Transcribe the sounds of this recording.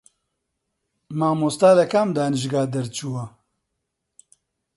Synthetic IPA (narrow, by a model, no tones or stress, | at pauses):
maːmost̪aːlɐkaːmd̪aːnɨʒɡaːd̪ɐɾt͡ʃʰuwɐ